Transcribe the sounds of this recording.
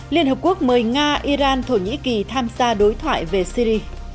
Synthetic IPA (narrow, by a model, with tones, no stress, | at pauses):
li˧ənhə˨˩p̚ku˦˥ək̚məː˨˩jŋaː˧ʔi˧zaː˧nt̪ʰo˧˩ɲḭ˧˥ki˨˩t̪ʰaː˧mzaː˧ɗo˨˦jt̪ʰwa̰ː˧˨jve˨˩si˧ɾi˧